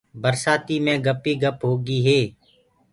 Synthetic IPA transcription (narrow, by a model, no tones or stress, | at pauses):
bəɾsaːt̪iːmẽːɡəpiːɡəpɦoːɡiːɦeː